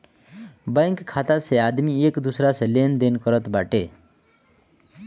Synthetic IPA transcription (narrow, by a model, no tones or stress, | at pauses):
bəjŋkkʰːat̪asead̪miekd̪usɾaselend̪enkʌɾʌt̪baʈe